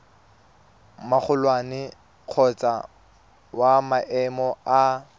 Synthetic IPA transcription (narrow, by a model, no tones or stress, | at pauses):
mak͡xʰʊlwanɪ | q͡χʰɔt͡sʼa̰ | wamaʔɛmɔa